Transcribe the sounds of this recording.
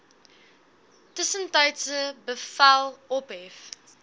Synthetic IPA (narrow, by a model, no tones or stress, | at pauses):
təsəntɐjtsəbəfælˠɔpɦɛf